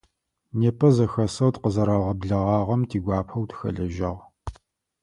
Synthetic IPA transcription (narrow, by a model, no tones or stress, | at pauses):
neːpʰʼɐzɐxɐsɐwtqəzɐɾɐʁɐbɮɐʁɑːʁɐmtʰiːɡʷɑːpʰɐwtxɐ̰ɮɐʒɐ̰ʁ